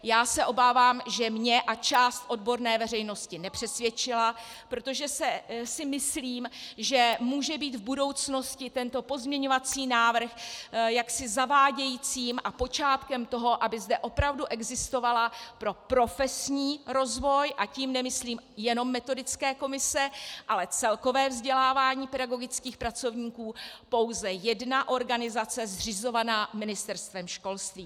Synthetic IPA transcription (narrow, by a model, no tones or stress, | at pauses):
jaːsɛʔo̞baːvaːmʒɛmɲɛʔat͡ʃaːst̪ʔo̞d̚bo̞ɾnɛːvɛr̝ɛjno̞scɪnɛpr̥ɛsvjɛt͡ʃɪla | pɾo̞t̪o̞ʒɛsɛsɪmɪsliːmʒɛmuːʒɛbiːt̪vbudo̞wt͡sno̞scɪt̪ɛnt̪o̞po̞zmɲɛɲo̞vat͡siːnaːvr̩xjaksɪzavaːɟɛjiːt͡siːmʔapo̞t͡ʃaːt̪kɛmt̪o̞ɦo̞ʔabɪzdɛʔo̞pɾavduʔɛɡzɪst̪o̞valapɾo̞pɾo̞fɛsɲiːɾo̞zvo̞jʔaciːmnɛmɪsliːmjɛno̞mːɛt̪o̞dɪt͡skɛːko̞mɪsɛʔalɛt͡sɛlko̞vɛːvzɟɛlaːvaːɲiːpɛdaɡo̞ɡɪt͡skiːxpɾat͡so̞vɲiːkuːpo̞wzɛjɛdnaʔo̞ɾɡanɪzat͡sɛzr̝ɪzo̞vanaːmɪnɪst̪ɛɾst̪vɛmʃko̞lst̪viː